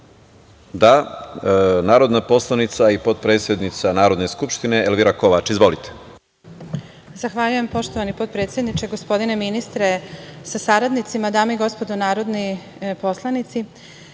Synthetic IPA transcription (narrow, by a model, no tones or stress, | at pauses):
d̪a | naːɾo̞d̪napo̞slˠanit̪saipo̞d̪̚pɾet̪sjed̪nit̪sanaːɾod̪ne̞skupʃt̪ineelʋiɾako̞ʋat͡ʃizʋo̞lit̪ʰe̥ | zaxʋaːʎuje̞mpo̞ʃt̪oʋanipo̞t̪̚pɾe̞ːt̪sjed̪nit͡ʃeɡospo̞d̪ineminist̪ɾesasaɾad̪nit̪simad̪aːmeiɡo̞spo̞d̪onaːɾo̞d̪ni | po̞slˠanit̪si